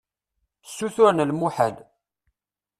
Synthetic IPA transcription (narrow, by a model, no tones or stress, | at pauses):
sːuθʊɾnlmuħəd̪